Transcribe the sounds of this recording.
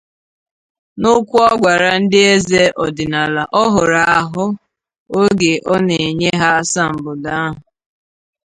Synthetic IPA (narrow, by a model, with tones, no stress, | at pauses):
nʊ˦kʷu˦ɔ˦ɡʷa˨ɾa˨n̩˦dɪ˦e˦ze˦ʔɔ˨dɪ˨na˨la˨ʔɔ˦ɦʊ˨ɾa˨a˨ɦʊ˦ | o˦ɡe˨ʔɔ˦ne˨e˨ɲe˦ɦa˦sa˦m̩˨bʊ˨da˦a˦ɦʊ˨